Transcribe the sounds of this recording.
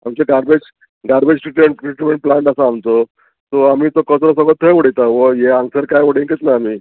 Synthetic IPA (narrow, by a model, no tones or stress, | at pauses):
amt͡ɕeɡaɾbed͡ʑ | ɡaɾbed͡ʑsiʈmeɳʈsiʈmẽɳʈ̚plaɳʈasaːmt̪o | t̪oamiːt̪okəsɾɔsəɡət̪ʰːəjʋoɽit̪aʋəjeãŋɡsəɾkajʋəɽiŋket̪laamiː